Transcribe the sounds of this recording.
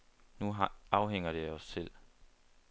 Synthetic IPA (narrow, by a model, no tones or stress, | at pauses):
nuɑ̈ʊɦeŋ̰ɐɾ̥e̝ɒ̽sel̰